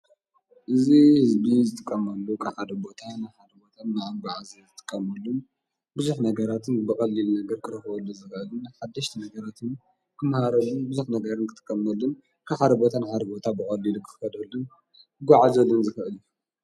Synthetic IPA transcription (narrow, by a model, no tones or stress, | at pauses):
ʔɨzihɨzbizɨt̪ʼɨkʼːɐmɐlːukʰʼaxad̪ɐbo̞t̪ʰanɨħad̪ɐbo̞t̪ʰanaʔamɡʷaʕazɐzɨt̪ʼɨkʼːɐmɐlːun | bɨzuħnɐɡɐɾat̪ʰɨnbɨxʼɐlːilnɐɡɐɾkʰɨɾɐxɨbɐlːuzɨxɐʔɨlunħad̪ːɐʃt̪ʰinɐɡɐɾat̪ʰɨn | kʰɨmahaɾɐlunbɨzuħnɐɡɐɾɨnkʰɨt̪ʼɨ̥kʼːɐmɐlːun | kʰaxad̪ɐbot̪ʰanɨħad̪ɐbo̞t̪ʰabɨxʼɐlːilukʰɨɨxɐd̪ɐlːun | ɨɡʷaʕazɐlɨnzɨxɨʔɨlju